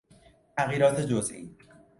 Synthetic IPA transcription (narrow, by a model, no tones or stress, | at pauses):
t̪ʰæɣjiːɾɒːt̪ʰe̞d͡ʒozʔḭː